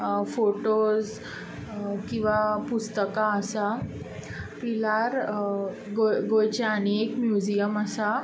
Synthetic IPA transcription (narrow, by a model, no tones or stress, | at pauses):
foʈos | kĩw̃ʋapust̪əkaəsa | pilaɾ | ɡoɡojt͡ɕɛəñeekmjud͡ʑijəməsa